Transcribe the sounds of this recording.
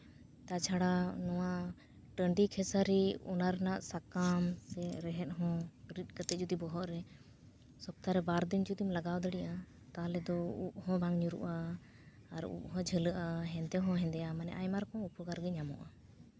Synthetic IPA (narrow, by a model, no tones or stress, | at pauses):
t̪at͡ʃʰaɽanɔwa | ʈəɳɖikʰɛsaɾiṵnaɾnaʔsakamsɛɾɛɦɛt̪̚ɦɔ̃ɾit̪̚ˀkət̪ɛd͡ʒud̪ibɔɦɔʔɾɛ | sɔb̚t̪aɾɛbaɾd̪ind͡ʒud̪imlaɡawd̪əɽiʔa | t̪aɦlɛd̪ɔuʔ̚hɔ̃baŋɲuɾṵʔaː | ɾṵʔ̚ɦɔ̃d͡ʒʱələʔaɦɛ̃nd̪ɛɦɔ̃ɦɛ̃nd̪ɛjamanɛ̰ʔajmaɾkɔ̃upʰuɡaɾɡɛɲamɔ̰ʔa